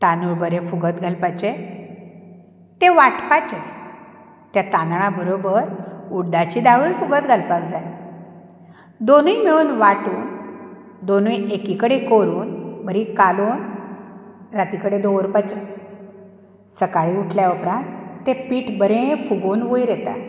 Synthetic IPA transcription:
t̪anuɭbəɾẽfuɡət̪ɡʱalpat͡ɕe | t̪eʋaʈpat͡ɕe | t̪jat̪ãnd̪ɳ̃abəɾobəɾuɖat͡ɕiːd̪aʋulfuɡət̪ɡʱalpakd͡zaj | d̪onujmiɭuːnʋaʈuːn | d̪onujekikəɽekoɾuːnbəɾikaloːn | ɾat̪ikəɽed̪oʋəɾpat͡ɕe | səkaɭiuʈʰljaupɾãnt̪ːepiːʈbəɾẽfuɡoːnʋojɾet̪a̰

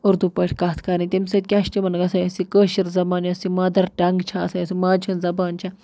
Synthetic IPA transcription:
uɾd̪upəʈʰʲkaːt̪ʰkaɾnit̪imsɐt̪̚kʲaʃʈimɐnɡɐsɐjɐsikəːʃiɾzɐbaːniɐsimɐːd̪ɐɾɖɐŋɡt͡ʃʰaːsɐjɐsimaːt͡ʃʰunzɐbaːnt͡ʃʰa

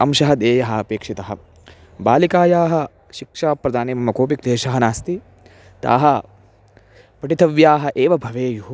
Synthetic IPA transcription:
ɐ̰mʃɐɦɐd̪eːjɐɦɐɐpeːkʂit̪ɐɦɐ̆ | baːlikaːjaːɦɐ | ʃikʂaːpɾɐd̪aːneːmɐmɐkoːpikleːʃɐɦɐnaːst̪i | t̪a̰ːɦɐ | pɐʈit̪ʰɐʋjaːɦɐʔeːʋɐbʱɐʋeːjuɦu

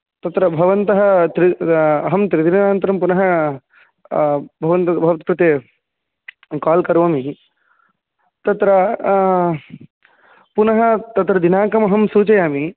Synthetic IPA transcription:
t̪ɐt̪ɾɐbʱɐʋɐnt̪ɐɦɐt̪ɾiɐɦɐmt̪ɾid̪inɐnaːnt̪ɐɾɐmpunɐɦɐ | bʱɐʋɐnt̪ɐbʱɐʋɐt̪̚kɾɪt̪e | kaːlkɐɾʋɐːmi | t̪ɐt̪ɾɐ | punɐɦɐt̪ɐt̪ɾɐd̪inaːkɐmɐɦɐmsuːt͡ʃɐjaːmi

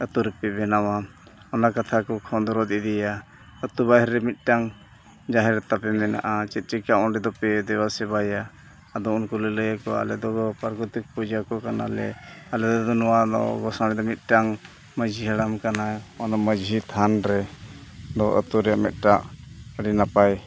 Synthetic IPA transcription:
ət̪uɾɛpɛbɛnawa | ɔnakat̪ʰakɔkʰɔnd̪ɔɾɔt̪id̪ija | ət̪ubaɦɾɛmit̪̚ʈaŋ | d͡ʒaɦɛɾɛt̪apɛmɛna̰ʔat͡ʃɛt̪̚ˀt͡ʃɛkaʔɔnɖɛd̪ɔpɛd̪ɛwasɛbajaː | d̪ɔunkɔlələjakɔa̰lɛd̪ɔɡɔpaɾkɔt̪ik̚pud͡ʒakɔkana̰lɛ̰alɛd̪d̪ɔnɔwad̪ɔ̰ɡɔsaɾɛd̪ɔmit̪̚ʈaŋ | məd͡ʒʱiɦəɽamkanaɔnaməd͡ʒʱit̪ʰanɾɛ | d̪ɔʔə̰t̪uɾɛjaʔmɛt̪̚ˀʈaʔəɽinapaj

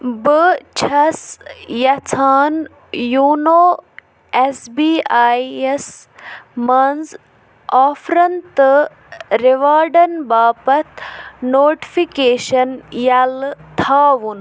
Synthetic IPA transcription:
bɨt͡ʃʰɐsjɐt͡sʰaːn | juːnoː | esbiːaːjes | mɐnz | aːfɾɐnt̪ɨ | ɾeʋaːɾɖɐnbaːpɐt̪ʰnoːʈi̥fikeːʃɐnjɐlt̪ʰaːʋun

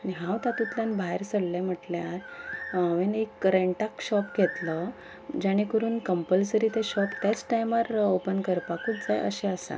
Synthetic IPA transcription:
niɦãwt̪ãt̪ut̪ljanbʱaɦeɾsəɽlam̤əʈljaɾ | ʋenekːəɾəɳʈakɕɔpɡʱet̪lə | d͡ʑaɽ̃ekəɾuːnkəmpəlsəɾiːt̪eɕɔpt̪jat͡sʈajmaɾopənkəɾpakuːt͡sd͡zajʔə̰ɕɛəsa̰

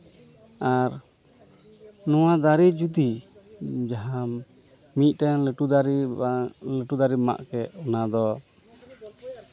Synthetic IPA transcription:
aɾ | nɔwad̪aɾid͡ʒut̪i | d͡ʒaɦa | mit̪̚ˀʈɛŋləʈud̪aɾi | ləʈud̪aɾima̰ʔkɛʔɔnad̪ɔ

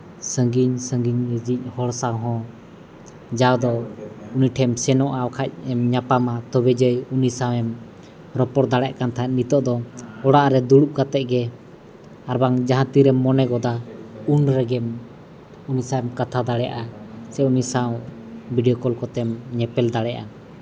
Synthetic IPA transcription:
səŋɡiɲsəŋɡiɲɾəd͡ʒic̚ˀhɔɽsaɦɔ̃ | d͡ʒawd̪ɔuniʈʰɛmsɛnɔʔawkʰac̚ɛmɲapamat̪ɔbɛd͡ʒəjunisawɛm | ɾɔpɔɾd̪aɽɛʔkant̪ʰaat̪̚nit̪ɔʔd̪ɔɔɽaʔɾɛd̪uɽuʔ̚kat̪ɛʔɡɛ | aɾbaŋd͡ʒaɦãt̪iɾɛmːɔnɛɡɔd̪aunɾɛɡɛm | unisawɛmkat̪ʰad̪aɽɛʔasɛunisaw̃ | bʱiɖijɔkɔlkɔt̪ɛmɲɛpɛld̪aɽɛʔa̰

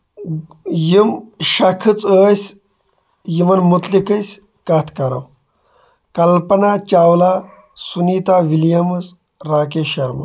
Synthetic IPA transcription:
jimʃɐkʰɨt͡səːsʲ | jimɐnmut̪likəsʲ | kaːt̪ʰkɐɾɐ̰w | kɐlpɐnat͡ʃawla | suniːt̪aʋiljɐmɨt͡s | ɾaːkeɕɐɾmɐ̰

